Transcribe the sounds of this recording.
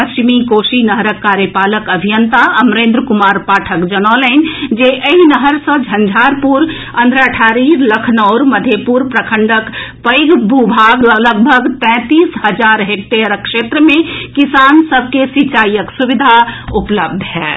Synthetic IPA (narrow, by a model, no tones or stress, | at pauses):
pəst͡ʃimikoːsinəɦɾəkːaːɾjəpaːləkəbʱijənt̪aəmɾẽːnd̪ɾəkumaːɾpaːʈʰəkd͡ʒənɔlɛnd͡ʒeʔəɦinəɦəɾsə̃d͡ʒʱə̃nd͡ʒʱaɾpuɾ | ə̃nd̪ʱɾaʈʰaɾiɾləkʰnɔʊɾməd̪ʱepuɾpɾəkʰə̃ɳɖəkpəɡbʱubʱaːɡləɡbʱəɡt̪ɛ̃ːt̪iːsɦəd͡ʒaːɾɦek̚t̪eɾəkʃeːt̪ɾəmẽkɪsaːnsəb̚ʱkesit͡ʃaːijəksuʋid̪ʱaupləb̚d̪ʱɦɛ̰ː